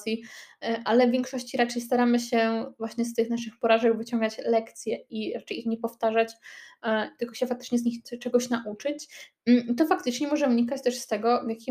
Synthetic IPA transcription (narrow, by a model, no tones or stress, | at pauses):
sʲjiʔalɛvʲjɛ̃ŋkʂɔɕt͡ɕiɾat͡ʂɛjst̪aɾamɘɕɛvwaɕɲɛst̪ɘxnaʂɘxpɔɾaʐɛɡvɘt͡ɕɔŋɡat͡ɕlɛkt̪sʲjɛiɾat͡ʂɛjixɲɛpɔft̪aʐat͡ɕ | t̪ɘlkɔɕɛfak̚t̪ɘ̥t͡ʂɲɛzɲixt͡ʂɛɡɔɕnaʔut͡ʂɘt͡ɕ̩ | it̪ɔfakt̪ɘt͡ʂɲɛmɔʐɛuɲikat͡ɕt̪ɛʂst̪ɛɡɔvʲjakʲi